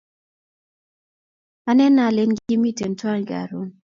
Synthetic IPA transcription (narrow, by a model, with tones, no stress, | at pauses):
a˦nɛ˦na˨le˦nɡi˦mi˦˨te˨nta˦ŋɡa̰˨ɾo˦n